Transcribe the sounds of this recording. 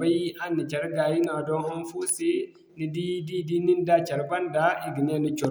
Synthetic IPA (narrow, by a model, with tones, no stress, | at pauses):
ba˦ji˦ʔa˦nːi˨t͡ʃa˨ɾɡa˨ji˦na˨dɔ˦nha˦nfu˦si˦ | ni˦di˦di˦di˦ni˦n˦da˦t͡ʃa˨ɾba˦nda˨˦i˦˨ɡi˨ne˦ni˦t͡ʃɔ˨